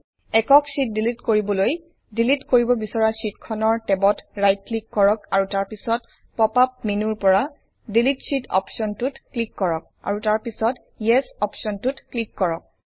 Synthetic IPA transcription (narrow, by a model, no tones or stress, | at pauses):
ɛkɔksit̚dilitkoɹibɔloj | dilitkoɹibɔbisɔɹasitkʰɔnɔɹtɛbɔtɹajt̚klikːɔɹɔkaɹutaɹpisɔt | pɔpap̚minuɹpɔɹa | dilitsitɔ̰psɔntutklikːɔɹɔk̚ | a̰ɹutaɹpisɔt | ijɛsɔpsɔntutklikːɔɹɔk̚